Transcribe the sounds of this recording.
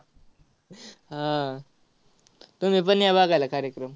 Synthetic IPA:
ɦã | t̪omip̬ənːjabaɡajlakʰaɾjekɾəm

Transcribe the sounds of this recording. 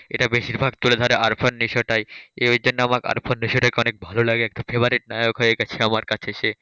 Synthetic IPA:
eʈabeʃiɾbʱaɡ̚t̪uled̪ʱɔɾeʔaɾpʰonːiʃoʈajed͡ʑonːeamaka̰ɾpʰonːiʃoʈakeɔnek̚bʱalolaɡeɛk̚ʈofʰebaɾeʈ̚najokɦojeɡɛt͡ɕʰeamaɾkat͡ɕʰeʃe

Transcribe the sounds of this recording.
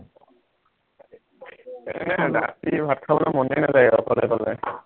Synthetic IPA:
ɛnɛda̰tibʱatkʰabɔnamɔnejnazajɛɔkɔlɔjkɔlɛ̰

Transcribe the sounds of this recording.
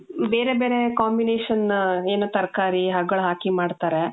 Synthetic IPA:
beːɾebeːɾekaːmbineːʃɐneːnuːt̪ɐɾkaːɾiɦɐɡɡɐɭɦaːkimaːɖt̪aːɾe

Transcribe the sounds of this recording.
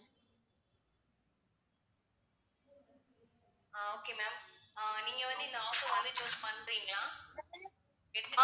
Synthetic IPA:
aoːkeːmɛːmaːniːŋɡɐʋɐnd̪ɯɪnd̪ɐaːsoʋɐnd̪ɯt͡ʃoːspɐɳːɾiːŋɡlãː | ɛɽɯt̪ːɯ

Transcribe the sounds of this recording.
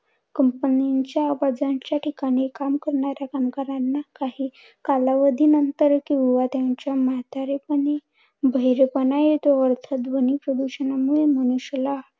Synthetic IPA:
kəmpəniɲt͡ɕjaːʋad͡zaɲt͡ɕjaʈʰikaɽ̃ikamkəɾɳaɾjakamkəɾanːakaɦiː | kalaʋəd̪ʱiːnənt̪əɾkĩuʋat̪jaɲt͡ɕjamat̪aɾepəɽe | bʱəɦiɾepənajet̪oəɾt̪ʰəd̪ʋənipɾəd̪uɕənamuɭeməñuɕla

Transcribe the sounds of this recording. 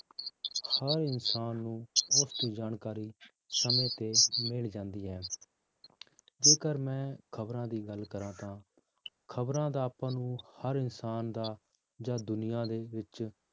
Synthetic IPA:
həɾɪnsaːnːũːʊst̪oːd͡ʒaːnkaːɾiː | səmẽːt̪eːmɪld͡ʒãːnd̪iːɦɛː | d͡ʒeːkəɾmɛ̃ːkʰəbɾãːd̪iːɡəlkəɾãːt̪ãː | kʰəbɾãːd̪aːpãːnũːhəɾɪnsaːnd̪aː | d͡ʒaːd̪ʊnɪjãːd̪eːʋɪt͡ʃ

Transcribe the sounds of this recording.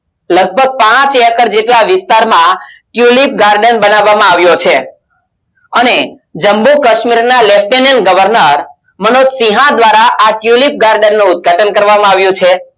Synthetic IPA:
ləɡ̚bʱəɡ̚pãt͡ʃɛkəɾd͡ʒeʈlaʋɪst̪aɾmãʈjulip̚ɡaɾɖənbənaʋːamãaʋjot͡ʃʰe | əne | d͡ʒəmbukəʃmiɾnalefʈenənɡəʋəɾnəɾ | mənod͡ʒsĩɦãd̪ʋaɾaʔaʈjulip̚ɡaɾɖənːũʊd̪̚ɡʱaʈənkəɾʋamãaʋjũt͡ʃʰe

